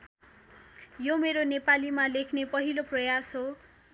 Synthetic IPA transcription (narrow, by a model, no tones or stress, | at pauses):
jomeɾonepalimalekʰnepʌɦiloprʌjasɦo